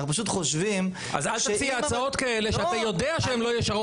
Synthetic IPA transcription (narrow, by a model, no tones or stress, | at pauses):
upaʃut̪χoʃvim | a̰zalʃefiaːt͡sao̞t̪kae̞le̞ʃeat̪ajo̞deaʃeemlo̞jeʃaʁ